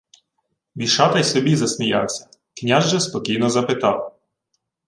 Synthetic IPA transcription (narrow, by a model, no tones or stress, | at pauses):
ʋʲiʃɑt̪ɐjsɔbʲizɐsʲmʲijɑ̰wsʲɐ̥ | knʲaʒʒɛspɔkʲijnɔzɐpɪt̪ɑw